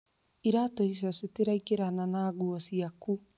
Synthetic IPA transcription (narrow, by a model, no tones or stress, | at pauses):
iɾatɔiʃɔseteɾaikeɾananaːɣuɔsiaku